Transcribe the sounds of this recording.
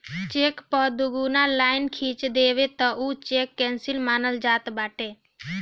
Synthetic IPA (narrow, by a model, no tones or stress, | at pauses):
t͡ʃeːkpəd̪uɡuːnalaːɪnkʰiːt͡ʃd̪eːʋet̪əut͡ʃekːɛ̃ːnsɪlmaːnəld͡ʒaːt̪baːʈeː